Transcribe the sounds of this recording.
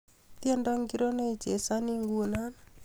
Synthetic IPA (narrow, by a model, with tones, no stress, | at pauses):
t̪jɛ˦nda˦ŋɡi˦ɾɔ˦na˦i˨d͡ʒe˨sa˦ni˦ŋɡuna˦n